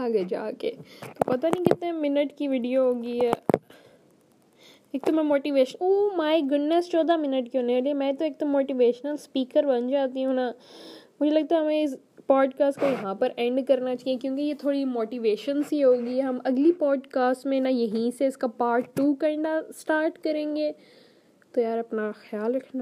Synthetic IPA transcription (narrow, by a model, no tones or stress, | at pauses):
aɡed͡ʒa̰ːkḛt̪opɐt̪anĩkɪt̪ẽmɪnəʈkiʋɪɖijoɦoːɡiɛː | eːk̚t̪omɛ̃moːʈiːʋeːʃənumaːiɡʊɖnest͡ʃɔːd̪amɪnəʈkiɦoneeliemɛ̃ːt̪oeːk̚t̪omoːʈiʋeːʃnəlspiːkəɾbɐnd͡ʒaːt̪iɦũnamʊd͡ʒʱelɐɡ̚t̪aɦɛɦɐmẽɪs | pɔːɖkaːsʈkojɐɦãpɐɾʔɛ̃ːɳɖkɐɾnat͡ʃaːĩẽkjõːkejet̪ʰoːɽimoːʈiʋeːʃənsiɦoːɡiɛɦɐmɐɡlipɔːɖkaːsʈmẽnɐjɐɦĩseɪskapaːɾʈːuːkɐɖasʈaːɾʈkɐɾẽːŋɡeː | t̪ojaːɾɐpnaxjaːlɾɐkʰna